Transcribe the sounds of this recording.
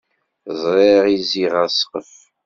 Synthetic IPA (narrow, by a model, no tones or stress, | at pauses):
zˤɾˤeʁiziʁæsqəf